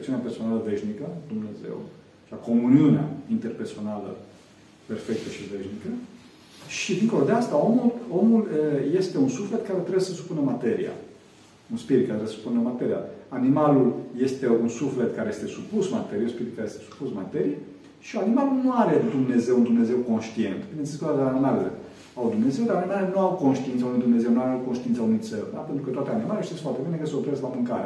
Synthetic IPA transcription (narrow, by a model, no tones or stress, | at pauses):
ekt̪siunʲaperso̞naləve̞ʃnikəd̪umne̞ze̞̰w | t͡ʃako̞muniunea̰int̪e̞rpe̞rso̞nalə̰ | pe̞rfe̞k̚t̪əʃive̞ʃnikə | ʃid̪iŋko̞lo̞d̪east̪ao̞mulo̞muləje̞st̪e̞unsufle̞t̪̚kaɾet̪ɾe̞besəsu̥punəmat̪e̞ɾḭa̰ | unspiɾit̪̚kat̪ɾeesəsu̥punəmat̪e̞ɾia̰animalulje̞st̪e̞unsufle̞t̪kaɾe̞je̞st̪e̞supusma̰t̪e̞ɾieunspiɾit̪̚kaɾjest̪esu̥pusma̰t̪e̞ɾije | ʃianimalulnuaɾe̞d̪umne̞ze̞wund̪umneze̞wko̞nʃt̪ie̞̰nt̪binet̪sisikud̪ak̪animalelḛ | awd̪umne̞ze̞wd̪aɾanimalelenuawko̞nʃt̪int̪əaunujd̪umne̞zewnuaɾeawkonʃt̪int̪saunujt̪sḛld̪a̰pent̪ɾukət̪wat̪eanimaleʃisesfat̪ebinekəsəopɾezlamɨŋkaɾea̰